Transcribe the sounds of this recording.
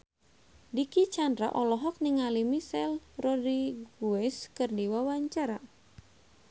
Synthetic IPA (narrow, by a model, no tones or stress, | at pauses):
dikit͡ʃandɾa̰ʔɔlɔɦɔk̚niŋalimisɛlrɔdiɡuɛskɨrdiwawaɲt͡ʃaɾa